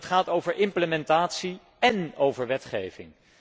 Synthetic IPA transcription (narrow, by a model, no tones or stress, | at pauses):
tχaːtowvəɹʔɪmpləmɛntaːtsi | ɛnowvəɹʋɛtχḛjvɪ̰ŋ